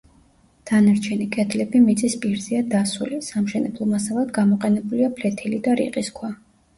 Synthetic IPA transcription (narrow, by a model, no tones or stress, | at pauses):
d̪̥anaɾt͡ʃʰɛnikʼɛd̪lɛbimit̪sʼispʼiɾzɛad̪asulisamʃɛnɛ̰blˠɔmasalˠad̪ɡamɔqʼɛnɛbuliapʰlɛt̪ʰilid̪aɾḭqʼiskʰwa